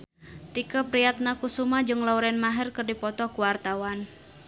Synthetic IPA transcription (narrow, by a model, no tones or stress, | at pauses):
t̪ikəpɾijat̪̚nakusumad͡ʒɨŋlauɾɛnmaɦɛrkərdipɔt̪ɔkuwart̪awan